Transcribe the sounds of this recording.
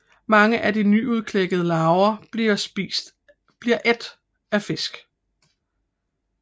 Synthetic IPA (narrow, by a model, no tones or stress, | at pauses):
mɑ̈ŋəʔædinyuð̞ˠkʰleɡ̥əð̞ˠəlɑ̈ʊɐiɐsisd̥ | b̥liɐʔe̝d̥ | æfe̝sɡ̥